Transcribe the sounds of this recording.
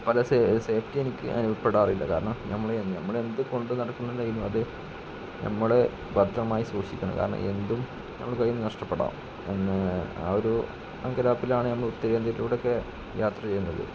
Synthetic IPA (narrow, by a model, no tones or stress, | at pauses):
pɐlɐsese̞ːftie̞nikʲːɨ̰ʔɐ̰nupːeɽaːrilːɐ̰kaːɾɐɳɐmnɐmːɐɭnɐmːɐɭe̞nd̪ɨko̞ɳɖɨnɐɽɐkːunːɐnːɐjinːuɐðɨ | nɐ̰mːɐɭe | bɐd̪ʱɐmaːjisʋuːʂikʲːɐɳɐ̰mka̰ːɾɐɳɐ̰mʔe̞nd̪um | nɐ̰mːɐɭkɐjːunːɨnɐʂʈɐpːeɽa̰ːm | enːɨa̰oɾu | ɐ̰ŋɡɐlaːpːilaːɳɨnɐmːɐɭut̪ːɐɾend̪ɐɾiluʋɽo̞kːe̞ | jʔaːt̪rɐt͡ɕe̞jːunːɐðɨ̰